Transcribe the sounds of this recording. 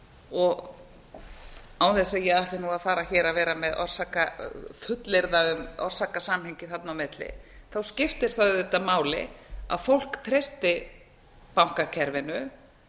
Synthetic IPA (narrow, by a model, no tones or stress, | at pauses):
ɔɣ | awθɛsajɛɣaht̪ɪnuaðfaːɾaçɛːɾaðvɛːɾamɛðɔ̰r̥sakafʏt̪lɪɾðaʏmɔ̰r̥saːkasaːmhejɲcɪθat̪nawmɪt̪lɪ̰θawscɪft̪ɪɾ̥θaðʏːt̪amaːwlɪ̰a̰ðfowl̥kt̪ʰɾest̪ɪ | pawŋ̥kacʰɛɾvɪnʏ